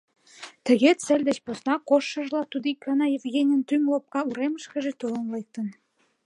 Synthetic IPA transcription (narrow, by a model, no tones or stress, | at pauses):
t̪ə̆ɣet̪sə̆lʲd̪ə̆t͡ɕposnɑkoʃːɤ̆ʒlɑt̪ud̪ikɑnɑjĕvɣenʲə̆nt̪ymlop̚kɑuɾeməʃkə̆ʒĕt̪olə̆nlek̚t̪ə̆n